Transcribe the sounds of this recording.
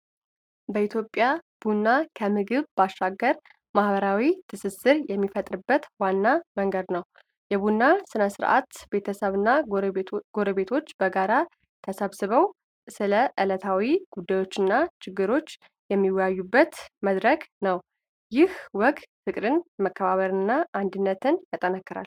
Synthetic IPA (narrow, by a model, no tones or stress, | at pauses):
bəit̪ʰjo̞pʼjab̥unːakʰəmɨɡɨβbaʃːaɡːəɾ | mahbəɾawit̪ʰɨsɨsɨɾjɛmːifət̪ʼɾɨbːət̪wanːaməŋɡəd̪nəw | jɛβunːasɨnəsɨɾʔa̰t̪be̞t̪ʰəsəβɨnːa | ɡ̥o̞ɾəβe̞t̪ʰo̞t͡ʃːbəɡaɾa | t̪ʰəsəβsɨβəw | sɨləʔɨlət̪ʰawiɡ̥ud̪ːajo̞t͡ʃːɨnːat͡ʃʰɪɡːɨɾo̞t͡ʃː | jɛmːiwjajːubːət̪məd̪ɾəɡnəw | jɪhwɔɡfɨkʼɾɨnməkːəβaβəɾɨɨnːaʔand̪ɨnːət̪ʰɨnjat̪ʼənəkːɨɾa̰l